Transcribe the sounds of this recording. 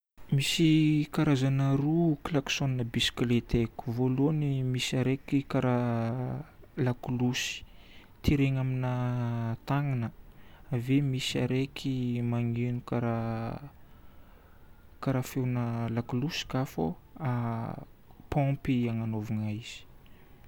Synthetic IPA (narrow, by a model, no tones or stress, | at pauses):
misikaɾazanaɾuklaksoninəbisi̥klet̪eku̥volonimisiaɾekikaɾa | lakulusi̥ | t̪iɾeŋaminat̪aŋinəavemisaɾekʰimaŋenukaɾa | kaɾafewnəlakulusi̥kafo̰a | pɔ̃mpiaŋanovuŋaiz̥i̥